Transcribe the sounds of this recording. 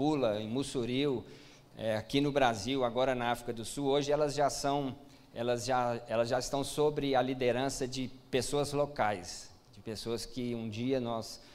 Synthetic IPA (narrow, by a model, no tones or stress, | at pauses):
ulɐẽmusuɾiw | ɛakinʊbɾaziwaɡɔɾɐnɐafɾikɐd̪ʊsuwoʒɪɛlɐzʒasɐ̃w̃ | ɛlɐzʒaɛlɐzʒaɪst̪ɐ̃w̃sobɾɪɐlid̪eɾɐ̃sɐd͡ʒɪpesoɐzlokajs | d͡ʒɪpesoɐskɪũd͡ʒiɐnɔs